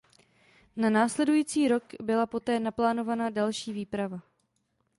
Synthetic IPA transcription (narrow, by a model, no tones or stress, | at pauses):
nanaːslɛdujiːt͡siːɾo̞kbɪlapo̞t̪ɛːnaplaːno̞vanadalʃiːviːpɾava